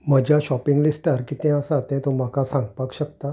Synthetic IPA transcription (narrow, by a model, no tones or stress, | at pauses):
m̤əd͡ʑaɕɔpiŋɡlisʈəɾkiːt̪ɛ̃əsat̪ɛ̃t̪om̤akasãŋɡpakɕəkt̪a